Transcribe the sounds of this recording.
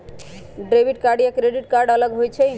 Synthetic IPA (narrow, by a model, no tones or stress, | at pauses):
ɖɾebiʈ̚kaɾɖijakɾeɖiʈ̚kaɾɖələɡɦojt͡ʃʰɛ